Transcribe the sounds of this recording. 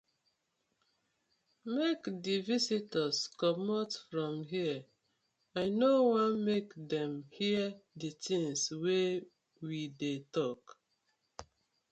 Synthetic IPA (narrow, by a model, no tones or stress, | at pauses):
mekdivisitəskɔmɔtfɹɔ̃mɦiə | aɪnowãnmekdɛ̃mhiəditĩŋswe | widetɔk